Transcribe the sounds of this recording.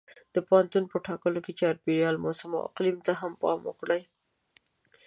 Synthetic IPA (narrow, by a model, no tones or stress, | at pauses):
d̪̥əpoɦant̪unpəʈɑkəloket͡ʃɑɾbiɾjɑlmosama̰a̰qlimt̪aɦampɑ̰mʊ̰kɽaj